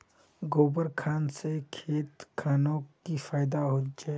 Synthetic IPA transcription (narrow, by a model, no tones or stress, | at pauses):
ɡoːbəɾkʰaːnsekʰeːt̪kʰaːnõkifaːɪd̪aɦod͡ʒae